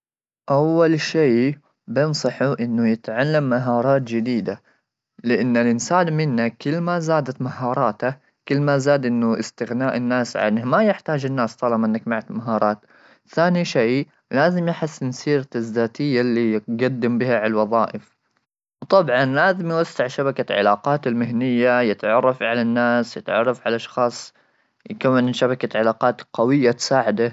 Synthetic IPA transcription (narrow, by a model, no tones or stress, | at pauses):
ʔawːalʃeː | bɪnsˤɑħuʔɪnːʊjɪt̪ʕalːamːaɦɑːɾˤɑːt̪d͡ʒɪd̪iːd̪a | lɪʔanːalʔɪnsaːnmɪnːakɪlːmazaːd̪at̪mahɑːɾˤɑːt̪a | kɪlːmazaːd̪ʔɪnːʊʔɪst̪ɪɣnaːʔɪnːaːsʕa̰nmajɪħt̪aːd͡ʒɪnːaːst̪ˤɑlɑmʔɪnːakmaʕat̪maɦɑːɾˤɑːt̪ | θaːniʃeː | laːzɪmjɪħɪsːnsiːɾazːaːt̪ɪjːalːiɡad̪ːɪmbɪhaʕaalwɑðˤɑːʔɪf | wt̪ˤɑbʕɑnlaːzɪmjwasːɪʕʃabakaʕɪ̰laːqɑːt̪ɪlmɪɦnɪjːajɪt̪ʕɑrˤːɑfʕalanːaːsjɪt̪ʕɑ̰rˤːɑfʕalʔɑʃxɑːsˤ | jɪkamːanʃabakaʕalaːqɑːt̪qawɪjːat̪saːʕɪd̪a